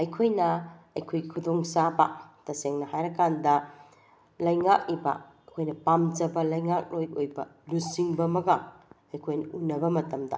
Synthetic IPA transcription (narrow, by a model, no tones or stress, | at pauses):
ɐjkʰojnɐɐjkʰojɡikʰudoŋsabɐ̰tɐseŋnɐhajɾɐkandɐ | lɐjŋak̚ibɐ̰ | ɐkʰojnɐpamd͡ʒɐbɐlɐjŋak̚lojojbɐ̰lusiŋbɐmɐɡɐ | ɐjkʰojnɐunːɐbɐmɐtɐmdɐ̰